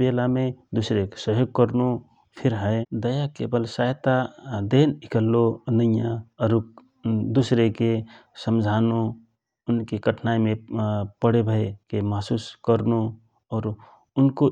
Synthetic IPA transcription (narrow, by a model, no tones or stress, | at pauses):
belamed̪usɾeksəɦjoɡ̚kəɾnu | pʰiɾɦəed̪əjakebəlsajt̪ad̪enikəlːoənəijãəɾuk | d̪usɾekesəmd͡ʒʱaːnu | ʊnkekəʈʰnaimẽpəɽebʱəekemaɦsuskəɾnu | ɔːɾ | ʊnko